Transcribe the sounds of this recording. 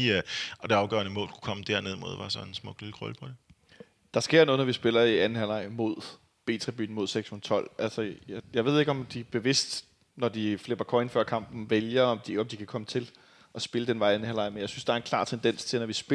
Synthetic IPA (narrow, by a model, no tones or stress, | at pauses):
ɒd̥e̝ɑ̈ʊɡ̥ɶ̰ɐnəmɔ̰̽ːlkʰu̥kʰɒ̽məd̥ɛɐne̝ð̞ˠmo̝ð̞̰ˠʋɑ̈sɒ̽nensmɔ̽ɡ̥lilɡ̥ʁɔ̰lpʰɒd̥e | d̥ɑ̈sɡ̥e̝ɐ̰nɔ̽ːð̩ˠnɒʋisb̥e̝lɐiænhælɑ̈ɪ̰mo̝ð̞̰ˠ | b̥e̝̰ːt͡sʰʁib̥y̰ːn̩mo̝ð̞̰ˠseɡ̥shun̩ˠt͡sʰɒ̽l̰ʔælsəjjɑ̈ɪʋe̝ð̞̰ˠe̝ɡ̥ɒ̽md̥ib̥e̝ʋe̝sd̥ | nɒd̥ifleb̥ɐkʰɒ̽ɪnfɶɐ̰kʰɑ̈m̰b̥n̩ʋeljɐɒ̽md̥iɒ̽md̥ikʰækʰɒ̽mət͡sʰe̝l | ʔɒ̽sb̥e̝ləd̥enʋɑ̈ɪænhælɑ̈ɪmenjɑɪsynsd̥ɑ̈æɐe̝nkʰlɑ̰̈ːt͡sʰend̥en̰st͡sʰe̝nɒʋisb̥